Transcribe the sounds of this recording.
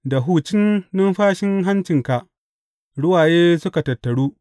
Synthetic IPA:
da˨ɦuː˦t͡ʃɪ˦nːʊ˦mɸaː˦ʃɪ˦ŋɦa˦nt͡ʃɪ˨ŋka˨ʔ | ɽʊ˦waː˨jeː˦sʊ˦ka˨tɐ˨tːɐ˨ɽuː˦

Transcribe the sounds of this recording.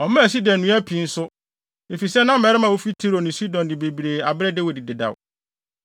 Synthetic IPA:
ɔ˨mã˦˨si˦dɛ̃˨nũ˦æ˦pʰi˨n̩˦sʊ˦ | e˨fi˨sɛ˦nã˦m̩˦mɛ˨ɾɪ˦mã˨o˦fi˦tʰi˦ɾo˨nɪ̃˨si˦dɔ̃˨ndɪ˨be˨bi˨ɾe˨a˨bɾɛ˦de˦wi˨di˨dɪ˨da̰˨w

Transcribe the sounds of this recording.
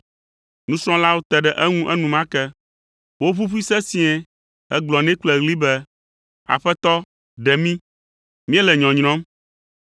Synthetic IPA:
nũ˦sɾ̃ɔ̃˦la˦wo˦t̪ɛ˨ɖɛ˨ʔɛ˦ŋũ˦ʔɛ˦nũ˨mã˦kɛ˦ | wo˦ɸu˦ɸi˦sɛ˦si˦ɛ̃˨ | ɛ˦ɡ͡blɔ˨nɛ̃˦k͡plɛ˨ɣli˦bɛ˦ | a̰˨ɸɛ˦t̪ɔ˦ | ɖɛ˨mĩ˦ | mĩ˦ɛ˦lɛ˨ɲɔ̃˨ɲɾ̃ɔ̃˦m

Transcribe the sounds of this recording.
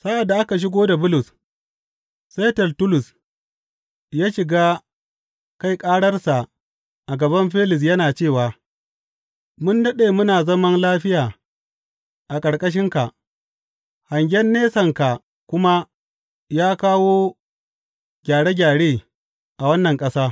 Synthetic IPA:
sa˦ʔa˨dːa˨ʔa˦ka˨ʃ̬ɪ˦ɡoː˦da˨bʊ˦lʊ˨s | sa˦tɐ˨ltʊ˦lʊ˨s | jaː˦ʃɪ˨ɡaː˦ | ka˦˨jkʼaː˦ɽɐ˦rsa˨ | ʔa˨ɡɐ˨bɐ˦mɸe˦lɪ˨s̬jɐ˦naː˨t͡ʃeː˦˨waː˨ | mʊ˦ndɐ˦ɗeː˨mʊ˦naː˨zɐ˦mɐ˦nlaː˦ɸɪ˦jaː˨ | ʔa˨kʼɐ˨ɽkʼɐ˦ʃ̬ɪ˦ŋka˨ʔ | ha˨ŋɡʲɛ˦nːeː˦sɐ˨ŋka˨ | kʷʊ˦ma˦ | jaː˦kaː˦woː˦ | ɡ̥ʲaː˨ɽe˦ɡʲaː˨ɽeː˦˨ | ʔa˨wɐ˦nːɐ˨ŋkʼɐ˦saː˦

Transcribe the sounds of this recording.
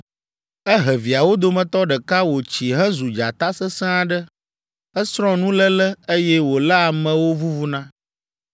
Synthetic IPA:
ɛ˦ɦɛ˨vi˨a˨wo˦d̪o˦mɛ̃˨t̪ɔ˦ɖə˨ka˦wo˨t͡ɕi˨ɦɛ̃˦zu˨d͡ʒa˨t̪a˦sə˦sɛ̃˦a˨ɖə˦ | ə˦sɾɔ̃˦nũ˦lə˦lə˦e˦jɛ˦wo˨la˦a˨mɛ̃˨wo˦vu˦vu˦nã˦

